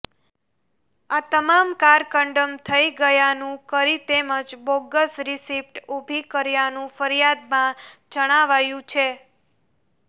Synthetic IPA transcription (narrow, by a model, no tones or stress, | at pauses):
at̪əmamkaɾkəɳɖəmt̪ʰəiɡəjanũkəɾit̪eməd͡ʒboɡəsɾisipʈubʱikəɾjanũfəɾijad̪mãd͡ʒəɽ̃aʋajũt͡ʃʰe